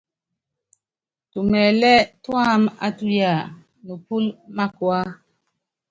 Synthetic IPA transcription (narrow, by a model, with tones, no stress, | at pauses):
tu˨mɛ˨lɛ˦twa˦˨ma̰˦tu˦ja˨ | nu˨pu˦lma˦kwa˦